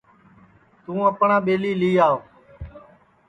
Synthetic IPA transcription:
t̪ũːəpɳãːɓeːliːliːaːoː

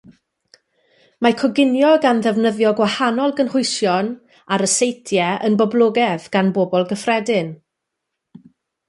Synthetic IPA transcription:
makʰɔɡɪnjɔɡanðɛvnəðjɔɡwahanɔlˠɡənhʊɨsjɔn | aɾəsejtʰjɛʔənbɔblˠoːɡɛðɡ̥anbobɔlˠɡəfrɛdɪn

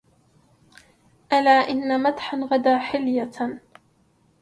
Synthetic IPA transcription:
ʔalaːʔɪnːamat̪ħanɣad̪aːħɪlja

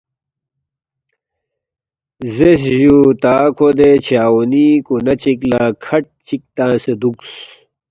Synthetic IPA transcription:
zesʑut̪aːkʰod̪et͡ɕʰaːunikunɐt͡ɕiklaːkʰɐʈ̚t͡ɕik̚t̪ãːsed̪uks

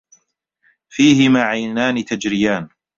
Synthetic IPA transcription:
fiːhɪmaːʕajnaːnɪt̪ad͡ʒɾɪjaːn

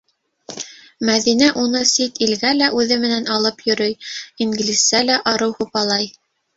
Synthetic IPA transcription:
mæðin̪æʔunɤsit̪ilɡælæʔʉðɘmɘ̆nænɑlˠɤpjɵ̆ɾɵjiŋɡlʲisælæʔɑɾɤwhupɑlˠɑj

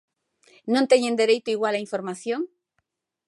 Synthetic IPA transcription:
nõnt̪eɲend̪e̞ɾejt̪oiɣwalaiɱfo̞ɾmaθjoŋ

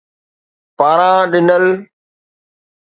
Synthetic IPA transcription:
paːɾãːɗɪnəl

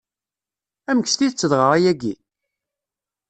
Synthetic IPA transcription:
æməkst̪iðət͡sːəðʁəɾˤæjæɡi

